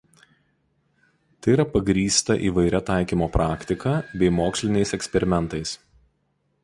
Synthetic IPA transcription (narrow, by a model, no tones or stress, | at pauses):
t̪ɐɪiɾɐpɐɡɾʲiːst̪ɐʔḭːʋɐɪɾʲɛt̪ɑˑɪkʲiːmoːpɾʔɑːkʲt̪ʲɪkɐbʲɛɪmoːksʲlʲɪnʲɛɪsɛksʲpʲɛɾʲɪmʲɛnt̪ɐɪs